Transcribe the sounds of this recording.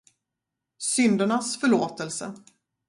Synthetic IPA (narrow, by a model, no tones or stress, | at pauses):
sʏnd̪əɳasfœɭoːt̪əlsə̰